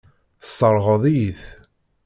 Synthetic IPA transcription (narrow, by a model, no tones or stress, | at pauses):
θəsˤːəɾˤʁəðˤiθ